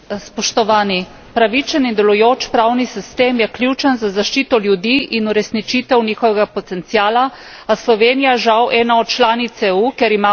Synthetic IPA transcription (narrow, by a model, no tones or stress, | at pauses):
spɔʃt̪ɔʋaːni | pɾaʋit͡ʃənind̪ɛlujoːt͡ʃpɾawnisist̪eːmjɛklʲut͡ʃənzazaʃt͡ʃiːt̪ɔljud̪iʔinuɾɛsnit͡ʃiːt̪ɛwnixɔʋɛɡapɔt̪ɛnt̪sijaːla | aslɔʋeːnijaʒawʔɛːnaɔt̪̚t͡ʃlaːnit̪sɛukeɛɾima